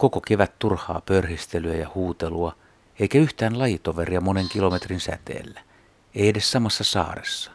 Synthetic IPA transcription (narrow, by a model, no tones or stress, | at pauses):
kokokeʋæt̪t̪urhˑɑ̰ːpørhist̪elyæjɑhuːt̪eluɑ | eikæyht̪æːnlɑjit̪oʋeriɑmoneŋkilomet̪rinsæ̰t̪ḛːlːæ | eiedessɑmɑsːɑsɑ̰ːresːɑ̥